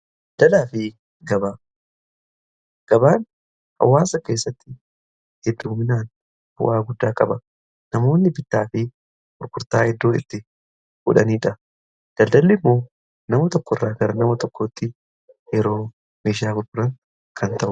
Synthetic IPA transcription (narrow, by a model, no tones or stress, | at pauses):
d̪̥ɐlaːfɪ | ɡɐbaː | ɡ̥ɐbaːn | hɐ̰wːaːsɐke̞ːsːɐt̪ːɪ | hɛd̪ːuːmɪnaːn | b̥ʊ̰ʔaːɡʊd̪ːaːkʼɐbɐ | nɐmo̞ːnːɪbɪt̪ːaːfɪ | kʼʊɾkʊɾt̪aːɛd̪ːoːɪ̰t̪ːɪ | ɡ̥ʊ̰ᶑɐniːᶑɐ | d̪̥ɐld̪ɐlːɪmːo̞ː | nɐmɐt̪ɔkːɔrːaːɡɐɾɐnɐmɐt̪ɔkʰːoːt̪ːɪ | jɛɾo̞ː | meːʃ̬ɪaːkʊɾkʊɾɐŋ | kʰɐnt̪ɐʔʊ